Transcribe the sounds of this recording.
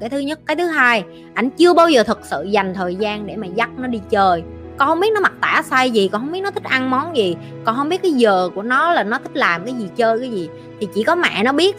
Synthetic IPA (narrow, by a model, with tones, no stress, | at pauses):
kaː˨˦jt̪ɨ˨˦ɲə˦˥t̚kaː˨˦jt̪ʰɨ˨˦ɦaː˧j | ʔa˧jŋ̟t͡ɕɨ˧əɓaː˧wzəː˨˩t̪ʰɨ˨˩k̚sɨ̰˧˨za˨˩jŋ̟t̪ʰəː˨˩jzaː˧nɗe˧˩maː˨˩za˦˥t̚nɔ˨˦ɗi˧t͡ɕəː˧j | kɔ˧˦nhə˧wŋ͡mɓi˦˥t̚nɔ˨˦ma˨˩t̚t̪a̰ː˧˩sa˧jzi˨˩kɔ˨˧˩nhə˧wŋ͡mɓi˦˥t̚nɔ˦t̪ʰi˦˥k̟̚ʔa˧nmɔ˨˦nzi˨˩ | kɔ˧˩nɦə˧wŋ͡mmɓi˦˥ət̚kaː˨˦jzəː˨˩ku˧˩ənɔ˨˦laː˨˩nɔ˨˦t̪ʰï˦˥k̚laː˨˩mkaː˨˦jzi˨˩t͡ɕəː˧jkaː˨˦jzi˨˩ | t̪ʰi˨˩t͡ɕḭ˧˩kɔ˨˦ma̰ː˧˨nɔ˨˦ɓi˦˥ət̚